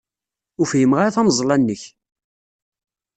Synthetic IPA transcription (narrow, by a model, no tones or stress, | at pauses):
ʊfjəmʁaɾθæmzˤlɑnːəç